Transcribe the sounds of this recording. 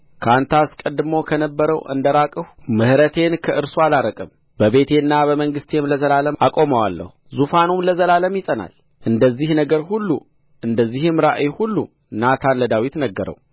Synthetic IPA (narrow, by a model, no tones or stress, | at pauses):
kʰant̪ʰaskʼəd̪ɨmo̞kʰənəbːəɾəwʔɨ̰nd̪əɾakʼɨhmɨhɾət̪ʰe̞nkʰəʔɨɾsualaɾəkʼəm | bəβe̞t̪ʰe̞nːaβəməŋɡɨst̪ʰemləzəlaləmʔakʼo̞məwalːə̰huzufanumləzəlaləmjɪsʼəna̰l | ʔɨnd̪əzːihnəɡəɾhulːu | ʔɨnd̪əzːihɨmɾaʔjhulːṵ | nat̪ʰanləd̪awit̪nəɡːəɾə̰w